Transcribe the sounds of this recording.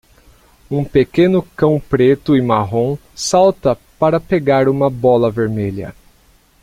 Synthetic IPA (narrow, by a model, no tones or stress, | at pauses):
ũpekẽnʊkɐ̃w̃pɾet̪ʊɪmaɦõ | sawt̪ɐpaɾɐpeɡaɾũmɐbɔlɐveɾmeʎɐ̰